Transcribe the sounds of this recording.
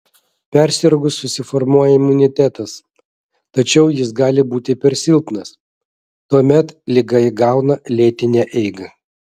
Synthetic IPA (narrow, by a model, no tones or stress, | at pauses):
pʲæɾʲsʲɪɾɡʊssʊsʲɪfɔɾmuɔjɛɪmʊnʲɪt̪ʲæt̪ɐs | t̪ɐt͡ʃʲɛʊjɪs̬ɡɑːlʲɪbuːt̪ʲɪpʲɛɾʲsʲɪlˠp̪nɐs | t̪uɔmʲɛt̪lʲɪɡɐɪɡɑˑʊnɐlʲeːt̪ʲɪnʲæʔɛɪɡɐ